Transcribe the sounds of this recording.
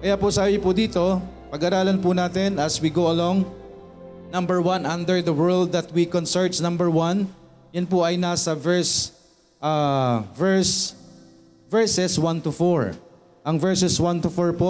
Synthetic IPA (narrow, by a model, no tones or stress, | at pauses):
kɐjapʊsaːbɪpʊd̪iːt̪o̞ | pɐɡɐɾaːlɐnpʊnaːt̪ɛnʔɐswiɡowɐloŋ | nɐ̃mbɛɹwɐ̃nʔɐ̃nd̪ɛɹd̪ɐwɛɹld̪̚ːɐt̪̚wikɔnsɛɹt̪nɐ̃mbɛɹwɐn | jɐnpʊʔɐjnasɐvɛɹs | ʔavɛɹs | vɛɹsɛswɐ̃nt̪ʊfɔɹ | ʔɐŋvɛɹsɛswɐnt̪ʊfɔɹpo